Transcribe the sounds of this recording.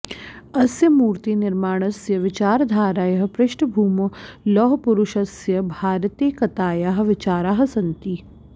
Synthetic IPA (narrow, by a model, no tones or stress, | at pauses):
ɐsjɐmuːɾt̪inɪɾmaːɽ̃ɐsjɐʋɪt͡ʃaːɾd̪ʱaːɾaːjɐɦɐ̆pɾɪʃɳəbʱuːmɐlɔːɦpʊɾʊʃɐsjɐbʱaːɾt̪eːkɐt̪aːjaːɦ̆ʋɪt͡ʃaːɾaːɦɐ̆sɐnt̪iː